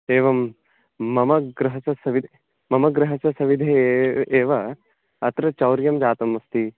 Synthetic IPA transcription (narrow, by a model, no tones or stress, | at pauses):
eːʋɐmː | ɐmɐɡɾɐɦɐsɐsɐʋid̪ʱ | mɐmɐɡɾɐɦɐsɐsɐʋid̪ʱeeːʋɐ | ɐt̪ɾɐt͡ʃɐwɾjɐmd͡ʒaːt̪ɐmːɐst̪i